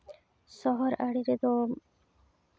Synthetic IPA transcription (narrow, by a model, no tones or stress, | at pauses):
sɔɦɔɾaɽiɾed̪o